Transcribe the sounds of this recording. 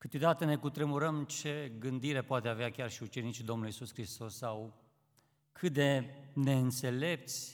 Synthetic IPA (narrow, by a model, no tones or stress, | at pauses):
kɨt̪ed̪at̪ene̞kut̪ɾemuɾəmt͡ʃe̞ɡɨnd̪iɾe̞poat̪eaveakʲarʃiut͡ʃe̞nit͡ʃid̪o̞mnuluisuskɾist̪o̞sːaw | kʰɨt̪̚d̪e̞ne̞ɨnt̪se̞le̞p̚t̪sʲ